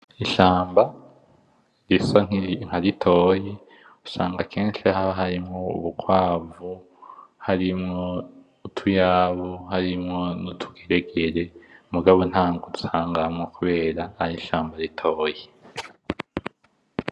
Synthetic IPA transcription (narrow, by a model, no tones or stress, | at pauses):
iʃaːmba | ɾisaŋŋ̥aɾitʰo̞ːje | usa̰ːŋɡakʰeːnʃihaɦaɾimŋoṵβukwaːvu | haɾimŋo̞ | utʰujaβuhaɾimŋo̞nutʰu̥ɡeɾeɡeɾe̞muɡaβo̞nhaːŋɡotu̥saːŋɡamŋokuβe̞ːɾaːɾiʃaːmbaɾitʰo̞ːje